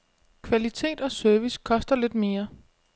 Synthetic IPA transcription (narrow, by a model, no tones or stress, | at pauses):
kʰʋælit͡sʰe̝̰ːd̥ɒ̽søɐʋiskʰɒ̽sd̥ɐle̝d̥me̝ːɐ